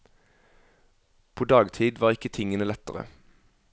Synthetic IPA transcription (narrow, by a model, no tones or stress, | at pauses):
pʰoːd̪ɑːɡt̪ʰiːd̪ʋɑːʁɪkət̪ʰɪŋənəlɛt̪əʁə̰